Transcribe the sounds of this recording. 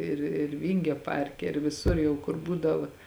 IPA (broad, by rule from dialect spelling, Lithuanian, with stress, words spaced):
ɪr ɪr ˈʋʲɪŋʲɡʲoː ˈpɐrʲkʲɛ ɪr ʋʲɪˈsʊr jɛʊ ˈkʊr ˈbuːdɐʋɐ